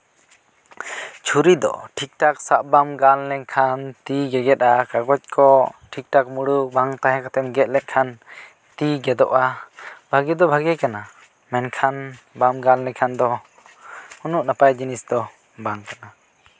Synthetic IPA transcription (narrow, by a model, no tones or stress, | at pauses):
t͡ʃʰuɾid̪ɔ̰ʈʰik̚ʈaksaʔ̚bamɡallɛkʰant̪iɡɛɡɛt̪̚akaɡɔc̚kʰɔʈʰik̚ʈak̚muɽuʔbaŋt̪aɦɛ̃kat̪ɛmɡɛt̪̚lɛt̪̚ˀkʰan | t̪iɡɛd̪ɔʔabʱaɡɛd̪ɔbʱaɡɛkana | mɛnkʰan | bamɡallɛkʰand̪ɔ | unuʔnapajd͡ʒinisd̪ɔ | baŋkana